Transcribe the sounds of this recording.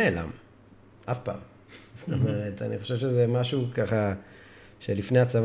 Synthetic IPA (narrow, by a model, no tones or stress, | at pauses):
ela̰m | ʔafpa̰ːm | st̪omeʁetaniχo̞ʃevʃezemaʃukaχa | ʃelifneat͡sav